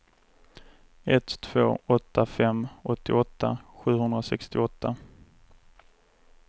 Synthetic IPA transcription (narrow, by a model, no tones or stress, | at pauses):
ɛt̪t̪ʰv̥o̰ːɔt̪ʰːafɛmːɔt̪ːɪɔt̪ʰːa̰ɧʉ̟ːɦɵnd̪ɾasɛkst̪ɪɔt̪ʰːa